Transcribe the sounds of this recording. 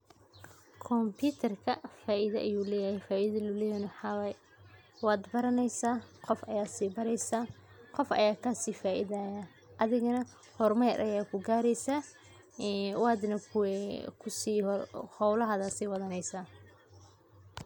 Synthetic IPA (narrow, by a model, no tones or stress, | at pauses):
kʰɔmpʰiːt̪ʰɐrkʰɐfaːʔɪðɐʔɐjuːlɛːjɐhɛjfaːʔɪðɐlʊlɛːjɐnʊħɑwɐj | wɑːd̪bɐɾɐnɛjsaːqɔfɐjaːsiːbɐɾɛjsaː | qɔfʔɐ̰jaːkʰɐsiːfaːʔɪðaːja | ʔɐðɪɣɐnɐ | hɔrmɐjɾʔɐ̰jaːkʰʊɡaːɾɛjsaː | wɑːd̪nɐkʰʊɛkʰʊsiːhɔwlɐɦɐðɐːsiːwɐðɐnɛjsaː